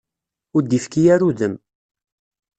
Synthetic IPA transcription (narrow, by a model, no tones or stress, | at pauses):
ʊɾd̪ifkijæɾuðəm